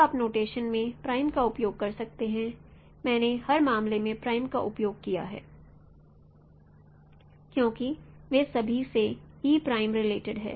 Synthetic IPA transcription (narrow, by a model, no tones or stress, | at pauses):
aːpnoːʈeːʃənmẽpɾaːɪmkaʊpjoːɡ̚kɐɾsɐk̚t̪eɦɛ̃ | mɛ̃ːnehɐɾmaːmlemẽpɾaːɪmkaʔʊpjoːɡ̚kija̰ɦɛ̰ː | kjõːkiʋesɐbʱiseɦipɾaːɪmɾɪleːʈɪɖɦɛ̰ː